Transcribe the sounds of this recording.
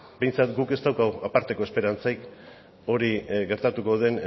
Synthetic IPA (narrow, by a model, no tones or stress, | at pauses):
be̞jnt͡sat̪ɡuke̞st̪awkawapaɾt̪e̞ko̞espe̞ɾant͡sajk | o̞ɾiɡe̞ɾt̪at̪uko̞ðe̞n